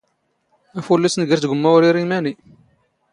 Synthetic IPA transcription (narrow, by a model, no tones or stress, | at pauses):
æfulːæsnɡəɾθɡʷəmːæʊɾiɾimæni